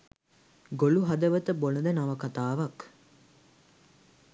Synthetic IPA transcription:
ɡoluɦɐd̪əʋət̪əbonəd̪ənaʋɐkat̪aːʋɐk

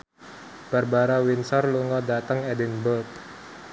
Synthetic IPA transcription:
b̥arbaɾawinsɔrluŋɔdat̪əŋɛdɛnbəlt̪̚

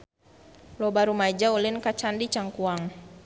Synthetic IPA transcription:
lɔbaɾumad͡ʒaulinkat͡ʃandit͡ʃaŋkuaŋ

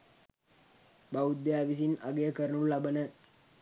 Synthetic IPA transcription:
baud̪ːeaʋis̬ina̰ɡejəkəɾənullabənə

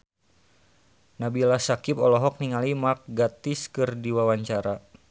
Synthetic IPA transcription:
nabilasakɪpɔlɔɦɔk̚niŋalimark̚ɡat̪iskɨrdiwawaɲt͡ʃaɾa

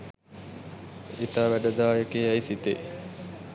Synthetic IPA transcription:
it̪aːʋæɖəd̪aːjəkeːæjsit̪ḛ

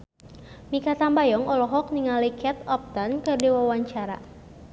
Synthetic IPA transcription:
mikat̪ambajɔŋɔlɔɦɔk̚niŋalikʰɛt̪ɔp̚t̪ankɨrdiwawaɲt͡ʃaɾa̰

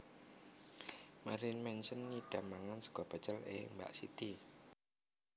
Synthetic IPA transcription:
maɾinmɛnsənːiɖ̪̥a̤maŋansə̥ɡ̥ɔb̥ə̤t͡ʃəlḛmba̰ʔsḭt̪i

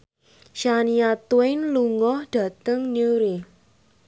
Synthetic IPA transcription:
ʃaniat̪uenluŋɔhɖ̥ä̤t̪əŋnuɾi

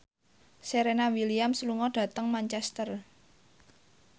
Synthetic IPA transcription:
seɾenawiliamsəluŋɔɖ̥ä̤t̪əŋmant͡ʃɛst̪ər

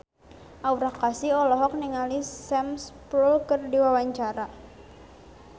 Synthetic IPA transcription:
ʔawɾakasiɔlɔɦɔk̚niŋalisɛmspɾulkərdiwawaɲt͡ʃaɾa

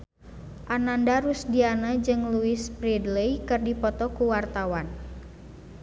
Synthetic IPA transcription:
ʔanandaɾusdianəd͡ʒɨŋluɪspɾidlejkɨrdipɔt̪ɔkuwart̪awan

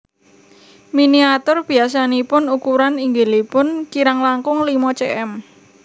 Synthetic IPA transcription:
miniat̪ʊrb̥i̤asanipʊnukuɾaniŋɡelepʊnkiɾaŋlaŋkʊŋlimɔt͡ʃeʔɛm

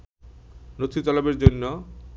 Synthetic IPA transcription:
not̪ʰit̪ɔlabeɾd͡ʑonːo

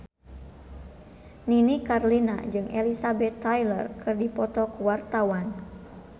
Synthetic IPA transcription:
ninikarlina̰d͡ʒɨŋɛ̰lisabɛt̪ːajlə̰rkʰɨrdipɔt̪ɔkuwart̪awan

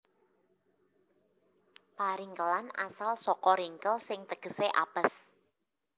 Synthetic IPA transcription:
paɾiŋkəlana̰salsɔkɔɾiŋkəlsɪŋt̪əɡ̥ə̤seʔa̰b̥əs

